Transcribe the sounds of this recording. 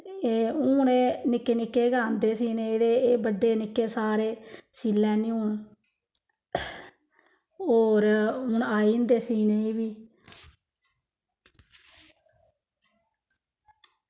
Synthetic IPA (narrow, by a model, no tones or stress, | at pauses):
eːʊːneːnɪkːeːnɪkːeːɡaːnd̪eːsiːneːɾeːeːbəɖːeːnɪkːeːsaːɾeːsiːlːɛ̃ːnĩːʊɳ | oːɾʊɳaːiːnd̪eːsiːneːiːbiː